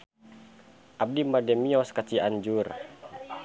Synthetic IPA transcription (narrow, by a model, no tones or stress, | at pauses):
ʔab̚dimadɛmiɔskat͡ʃiaɲd͡ʒur